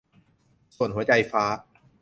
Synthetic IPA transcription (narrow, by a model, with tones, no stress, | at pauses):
su˨˩ənɦu˩˦ɐt͡ɕa˧jfaː˦˥